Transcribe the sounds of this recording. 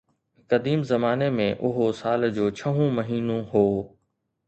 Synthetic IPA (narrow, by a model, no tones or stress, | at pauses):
kɐd̪iːmzɐmaːnemẽʔʊɦosaːld͡ʑoːt͡ɕʰɐɦũmɐɦiːnõɦoː